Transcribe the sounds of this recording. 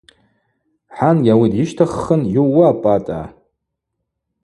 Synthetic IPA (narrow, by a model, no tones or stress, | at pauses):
ħanɡʲawidiʃtʰaχːənjuːaːpʼatʼa̰